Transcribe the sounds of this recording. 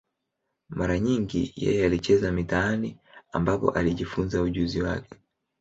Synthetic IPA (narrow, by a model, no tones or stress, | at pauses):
maɾaɲiŋɡḭjɛ̰jɛalit͡ʃɛzamitaania̰mbapɔ̰ʔaliʄifunzauʄuziwa̰kɛ̥